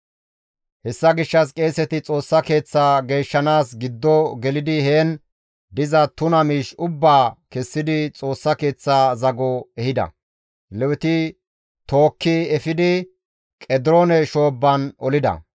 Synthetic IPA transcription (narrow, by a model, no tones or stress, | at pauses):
hɛsːɐɡɪʃːɐs̬kʼe̞ːsɛt̪ɪt͡sʼo̞ːsːɐke̞ːt͡sːaːɡe̞ːʃːɐnaːsɡɪd̪ːɔɡɛlɪd̪ɪhe̞ːn | d̪ɪzɐt̪ʊnɐmiːʃʊbːaːkɛsːɪd̪ɪt͡sʼo̞ːsːɐke̞ːt͡sːaːzɐɡɔɛhɪd̪ɐ̰ | lɛwɛt̪ɪ | t̪o̞ːkːɪɛfɪd̪ɪ | kʼɛd̪ɪɾonɛʃo̞ːbːɐnɔlɪd̪ɐ̰